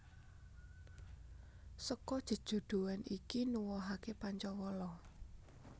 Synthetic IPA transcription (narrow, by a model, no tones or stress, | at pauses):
səkɔd̥ʒ̥ə̤d̥ʒ̥o̤ɖ̪̥ṳwanikinuwɔɦakepaɲt͡ʃɔwɔlɔ